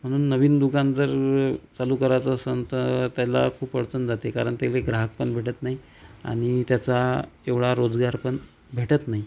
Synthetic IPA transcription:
m̤əɽ̃uːnːəʋiːnd̪uɡãnd͡zəɾt͡saluːkəɾat͡səsənt̪ət̪jala̰kʰuːpəɽt͡sənd͡zat̪ekaɾəɳt̪jaleɡɾaɦək̚pəɳbʱeʈət̪naɦi | a̰ɽ̃it̪jat͡saeʋɽaɾod͡zɡaɾpəɳ | bʱeʈət̪naɦi

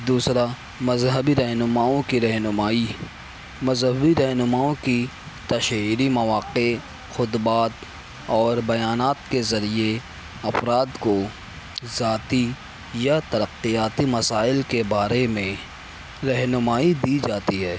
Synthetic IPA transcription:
d̪uːsɾa | mɐzɦəbiɾɐɦnʊmaːõkiɾɛɦnʊmaːi | mɐzɦəbiɾɐɦnʊmaːõki | t̪ɐʃɦiːɾimɐʋaːqe | xʊd̪baːt̪ | ɔːɾbɐjaːnaːt̪kezɐɾie | ɐfɾaːd̪ko | zaːt̪i | jat̪ɐɾəqːijaːt̪imɐsaːɪlkebaːɾemẽ | ɾɐɦnʊmaːid̪iːd͡ʒaːt̪iɦɛː

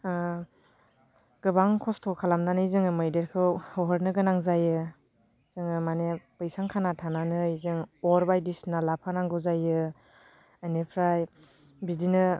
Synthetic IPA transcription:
ɡ̥ɯbaŋkʰɔstʰɔkʰalamnanɯizɯŋɯmɯjdeɾkʰɯwɔɦɔɾnɯɡɯnaŋzajɯ | zɯŋɯmanepɯjsaŋkʰanatʰananɯizɯŋɔɾbajdisnalapʰanaŋɡɯzajɯ | anepʰɾaj | bidinɯ

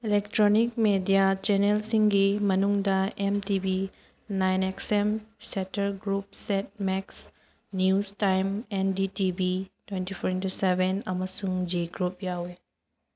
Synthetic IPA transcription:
ilektɾonik̚medijat͡ʃenelsiŋɡimɐnuŋdɐemtibi | najneksemsetɐɾɡɾup̚set̚mɛks | njustajmɛnditibitwentipʰɔɾintusebenɐmɐsuŋd͡ʒiɡɾup̚jawe

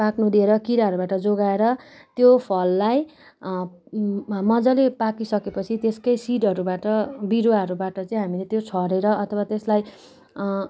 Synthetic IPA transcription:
paknud̪ieɾʌkiɾaɦʌɾubaʈʌd͡zoɡaeɾʌt̪jopʰʌlːaj | mʌd͡zʌlepakisʌkepʌt͡sʰit̪eskʌjsiʈʌɾubaʈʌbiɾaɦʌɾubaʈʌt͡sʌĩɦamilet̪jot͡sʰʌɾeɾʌʔʌt̪ʰʌwat̪eslaj

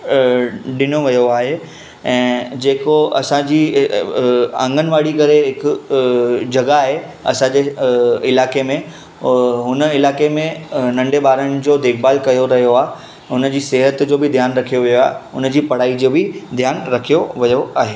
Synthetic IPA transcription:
ɗɪnoʋɐjoaːɦe | ɛ̃ːd͡ʑeːkoɐsãd͡ʑiː | ã̰ːŋɡʱənɪ̆ʋaːɽikɐɾeɦɪkʊ | d͡ʑɐɡaːɦe | ɐ̰sãd͡ʑeɪlaːkemẽ | ɦʊnəɪlaːkemẽnɐ̃ɳɖebaːɾəɽ̃ɪ̆d͡ʑoːd̪eːkbaːlkɐjoɾɐɦijoaːɦ | ɦʊnəd͡ʑiːseːɦət̪d͡ʑoːbɪd̪ʱjaːnɾɐkʰijoʋijoaːɦeʊnəd͡ʑiːpɐɽaːid͡ʑoːbɪd̪ʱjaːnɾɐkʰijoʋijoʔaːɦeː

